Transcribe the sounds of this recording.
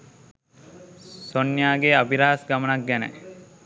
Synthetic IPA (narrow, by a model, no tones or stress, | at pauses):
sonːjaːɡeabiɾaːsɡamənɐk̚ɡænḛ